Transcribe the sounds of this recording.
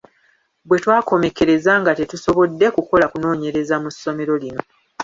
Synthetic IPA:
bwe̞twaːko̞me̞ke̞ɾe̞zaŋɡate̞tuso̞βo̞dːe̞kuko̞lakuno̞ːɲe̞ɾe̞zamusːo̞me̞ɾo̞lino̞

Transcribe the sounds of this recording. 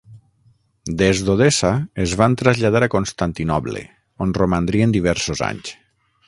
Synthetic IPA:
d̪ezðoð̞esaezβant̪ɾazʎað̞aɾakonst̪ant̪inɔβlḛ | onromand̪ɾiend̪iβ̞ɛɾsoza̰ɲs

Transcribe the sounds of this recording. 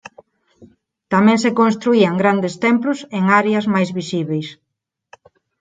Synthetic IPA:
t̪amɛ̃ŋsekõnst̪ɾuiaŋɡɾand̪est̪ɛmplʊseŋaɾeɐzmajzβisiβejs

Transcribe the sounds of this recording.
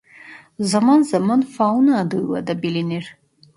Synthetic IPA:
zamanzamanfawunaːd̪ɨwa̰d̪abilinir

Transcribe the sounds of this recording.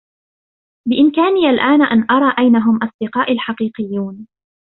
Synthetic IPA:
bɪʔɪmkaːniːʔalʔaːnaʔanʔɑɾˤɑːʔajnaɦʊmʔɑsˤd̪ɪqɑːʔalħɑqiːqɪjːuːn

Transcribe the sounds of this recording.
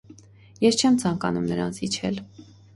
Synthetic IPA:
jɛst͡ʃʰɛmt͡sʰɑŋkɑnumnəɾɑ̰nt͡sʰit͡ʃʰɛ̰l

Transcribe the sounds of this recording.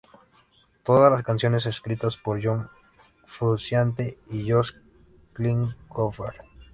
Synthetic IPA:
t̪oðalaskansjo̞ne̞s̬eskɾit̪aspoɾʝoŋ | fɾusjant̪̬eiʝos | kliŋkofeɾ

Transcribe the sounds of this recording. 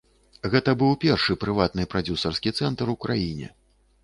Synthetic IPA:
ɣɛt̪ɐbɨwpʲɛrʂɨpɾɨvat̪nɨpɾad͡zʲusɐrskʲit̪sɛnt̪ɾukɾajinʲɛ̰

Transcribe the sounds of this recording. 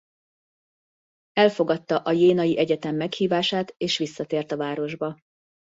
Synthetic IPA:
ɛlfo̞ɡɒt̪ːɒʔɒjeːnɒjiʔɛɟɛt̪ɛmːɛkhiːvaːʃaːt̪eːʃʋisːɒt̪eːrt̪ɒvaːɾo̞ʒbɒ

